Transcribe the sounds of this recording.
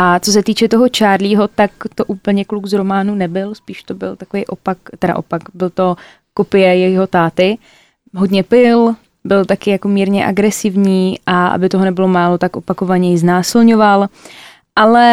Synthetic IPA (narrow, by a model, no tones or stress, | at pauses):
ʔat͡so̞s̬ɛt̪iːt͡ʃɛt̪oɦo̞t͡ʃaːɾliːɦo̞t̪akt̪o̞ʔuːpl̩ɲɛkluɡzɾo̞maːnunɛbɪlspiːʃt̪o̞bɪ̰lt̪akovejʔopakt̪ɛɾa̰ʔopakbɪlt̪o̞ | ko̞pɪjɛjɛjɦo̞t̪aːt̪ɪ | ɦo̞dɲɛpɪl | bɪlt̪akɪjako̞miːɾɲɛʔa̰ɡɾɛsɪvɲiːʔaʔa̰bɪt̪o̞ɦonɛbɪlo̞maːlo̞t̪akʔo̞pako̞vaɲɛjɪznaːsɪlɲo̞val | ʔalɛ